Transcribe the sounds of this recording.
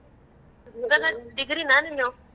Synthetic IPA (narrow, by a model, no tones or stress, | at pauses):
ɡaladiɡiɾinaniɲow